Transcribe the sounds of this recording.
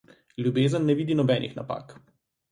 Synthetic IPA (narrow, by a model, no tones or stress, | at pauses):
ljubeːzənːɛʋiːd̪inɔbɛːnḭxna̰pa̰ːk